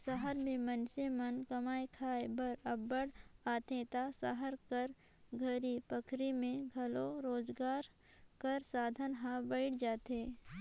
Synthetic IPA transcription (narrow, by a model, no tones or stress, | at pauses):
səɦəɾmẽmənsemɐnkɐmaːekʰaːebɐɾɐbːəɽaːt̪ẽt̪asəɦəɾkəɾ | ɡʱəɾipəkʰɾimẽɡʱɐloɾoːzɡaːɾ | kəɾsaːd̪ʱənɦãbɐɪʈd͡ʒaːt̪eː